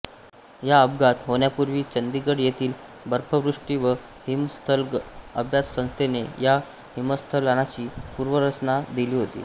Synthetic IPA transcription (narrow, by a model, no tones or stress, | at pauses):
jaəbɡat̪ɦoɳjapuɾʋiːt͡ɕənd̪iɡəɽjet̪ʰiːl | bəɾpʰəʋɾuʂʈiːʋə | himst̪ʰələbʱjassə̃ñst̪ʰeneja | himəst̪ʰəlaɽ̃at͡ɕiːpuːɾʋəɾət͡ɕnad̪iliːɦot̪ḭː